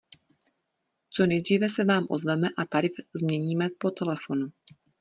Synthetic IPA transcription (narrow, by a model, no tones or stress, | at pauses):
t͡so̞nɛjd̪r̝iːvɛsɛvaːmʔo̞̰zvɛmɛʔat̪aɾɪzmɲɛɲiːmɛpo̞t̪ɛlɛfo̞nu